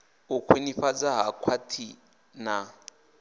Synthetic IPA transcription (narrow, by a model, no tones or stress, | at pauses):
ʊkʰweniɸad͡zaɦakʰwatʰi | na